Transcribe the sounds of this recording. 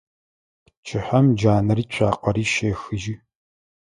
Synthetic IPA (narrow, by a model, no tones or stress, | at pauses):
pt͡ʃʼʰɪħɐmd͡ʒaːnɐriːt͡ʃʷʰaːqɐɾiːʃeːxɨʒi